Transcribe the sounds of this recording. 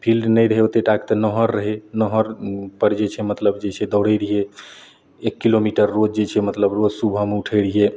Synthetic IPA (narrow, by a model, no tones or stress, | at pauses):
pʰilɖnəjɾəɦeot̪eʈakt̪ənəɦəɾːəɦenəɦəɾpəɽd͡ʒet͡ʃʰɛmət̪ləbd͡ʒet͡ʃʰɛd̪əwɽəjɾiɦe | ekːilomiʈəɾːod͡ʒd͡ʒet͡ʃʰɛmət̪ləbɾod͡ʒsubʱəmeuʈʰəjɾiɦe